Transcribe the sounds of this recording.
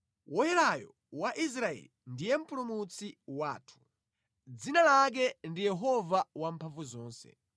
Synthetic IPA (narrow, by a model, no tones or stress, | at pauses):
wʔɔjɛlajɔ̰ | waʔis̬ɾaɛ̰lindijɛm̩pulumut͡sʰiwaːtʰu̥ | d͡zinalak̬ɛndijɛɦɔvawampʰaɱvuzɔːnsɛ̰